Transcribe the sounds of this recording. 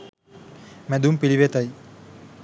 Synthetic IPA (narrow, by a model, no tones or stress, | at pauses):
mɛd̪umpiliʋet̪ɐj